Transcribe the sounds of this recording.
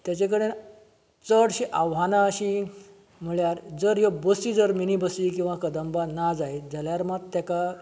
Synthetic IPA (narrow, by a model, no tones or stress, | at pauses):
t̪jat͡ɕek̬əɽe | t͡səɽɕiʔaʋɦanaəɕi | m̤əɭjaɾd͡zəɾjobəsiːd͡zəɾminibəsikĩw̃ʋakəd̪əmbanad͡zajd͡zʱaljaɾmat̪ːjaka